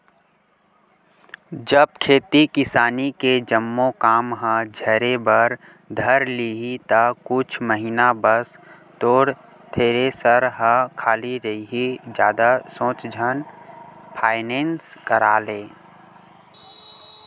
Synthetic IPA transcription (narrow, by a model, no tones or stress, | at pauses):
d͡ʒəb̚kʰeːt̪ikɪsaːniked͡ʒəmːõkaːmɦə̃d͡ʒʱəɾebəɾ | d̪ʱəɾliɦit̪akʊt͡ʃʰməɦiːnabəs | t̪oːɾ | t̪ʰeːɾesəɾɦə̃kʰaːliɾɐɦiɦid͡ʒjaːd̪asõːt͡ʃd͡ʒʱən | pʰaːɪnẽːnskəɾaːleː